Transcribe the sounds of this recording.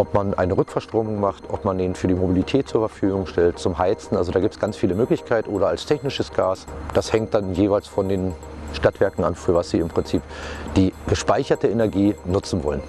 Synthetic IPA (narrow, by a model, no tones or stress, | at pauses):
ʔɔpmanʔa̰ɪnəʁʏkfɛɐʃtʁ̥oːmʊŋmaχtʔɔpmandeːnfyːɐdiːmobilitʰɛːt̚t͡suːɐfɛɐfyːɡʊŋʃtɛltt͡sʊmɦaɪt͡sn̩ʔa̰lzodaːɡiːptsɡ̥ant͡sfiːləmøːklɪçkʰaɪtʔoːɾɐalstʰɛçnɪʃəsɡ̥aːsd̥ashɛŋt̚d̥anjeːvaɪlsfɔndeːn | ʃtatv̥ɛɐkŋ̩a̰nfyːɐvasz̥ḭːɪmpʁ̥ɪnt͡siːpd̥iːɡ̥əʃpaɪçɐtəenɛɐɡiːnʊt͡sn̩vɔ̰lən